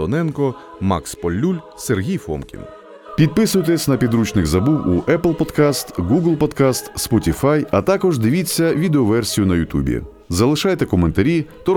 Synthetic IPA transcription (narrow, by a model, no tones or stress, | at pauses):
ɔnɛnkɔ | mɑ̰kspɔlʲːulʲ | serɦʲijfɔ̰mkʲḭn | pʲid̪̚pɪsʊjt̪esʲnɐpʲid̪ɾut͡ʃnɪɣzɐbuwuʔɛplˠpɔd̪kast̪ɡuɡlˠpɔd̪kast̪spɔtʲifajɐt̪ɑkɔʒd̪ɪʋʲit͡sʲːɐʋʲid̪eɔʋɛrsʲijʊnɐjʊt̪ʲṵbʲḭ | zɐlˠɪʃɑjt̪ɛkɔment̪ɐɾʲit̪ɔ